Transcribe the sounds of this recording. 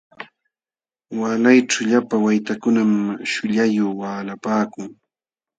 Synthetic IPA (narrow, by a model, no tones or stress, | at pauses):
walajʈ͡ʂʊʎapawajt̪akʊnamʃʊʎajoχwaːlapaːkʊŋ